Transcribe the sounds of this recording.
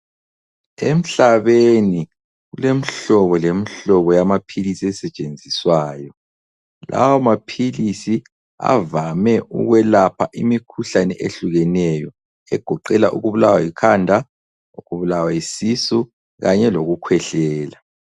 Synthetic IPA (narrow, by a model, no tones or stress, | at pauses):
em̩ɬaβeni | ɣulemiɬɔβɔlemiɬɔβɔjamapʰilisiɛsɛt͡ʃʼend͡zʱiswaːjɔ | lʔa̰wamapʰilisi | a̰vamɛṵɣwɛlapʰaʔimikʰuɬanɛʔeɬuɣɛnɛjɔ | ɛɡ̥ʱɔǃɛlaʔṵɣuβulawajikʰandʱa | uɣuβulawaisisu | ɣaɲɛloɣukʰwɛɬɛːla